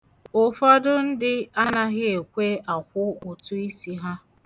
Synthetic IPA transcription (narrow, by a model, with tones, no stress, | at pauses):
ʊ˨fɔ˦dʊ˦n̩˦dɪ˦a˦na˦ɣɪ˦e˨kʷe˦ʔa˨kʷʊ˦ʊ˨tʊ˦i˦si˦ɦa˦